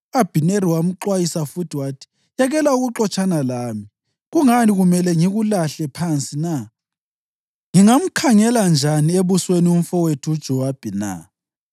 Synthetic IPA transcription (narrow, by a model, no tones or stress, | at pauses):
ab̥ʱineɾiwam̩ǃwajisafutʰiwatʰi̥ | jaɣɛlauɣuǁɔt͡ʃʼanalaːmi | ɣuŋaniɣumɛlɛŋiɣulaɬɛpʰant͡sʼina | ŋiŋam̩kʰaŋɛland͡ʒʱanieβuswenium̩fɔwetʰuud̥ʒ̥ʱɔwab̥ʱɛna̰